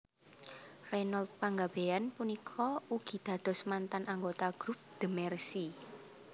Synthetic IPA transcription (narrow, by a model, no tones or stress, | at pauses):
rɛnald̪̚paŋɡab̥eanpunikʰɔuɡ̥i̤d̪̥ä̤d̪̥ɔ̤smant̪anaŋɡot̪aɡ̥ɾup̚d̪̥əmɛrsi